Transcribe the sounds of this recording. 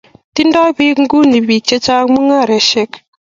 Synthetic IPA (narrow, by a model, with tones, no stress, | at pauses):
ti˦nda˦jbi˦kŋ̩˦ɡu˦ni˨bi˨k̚t͡ʃe˦t͡ʃa˦kmu˦ŋa˦˨ɾe˨ʃɛ˦k